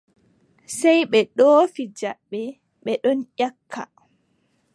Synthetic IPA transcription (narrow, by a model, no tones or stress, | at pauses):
sɛjɓɛɗoːfid͡ʒaɓːɛ | ɓɛɗɔnʔakʰːa̰